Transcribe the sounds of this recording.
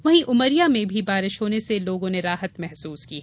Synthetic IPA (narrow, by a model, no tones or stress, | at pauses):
ʋɐɦĩʔʊməɾijamẽbʱibaːɾɪʃɦoːneseloːɡõneɾaːɦət̪mɛɦsuːskiɦɛ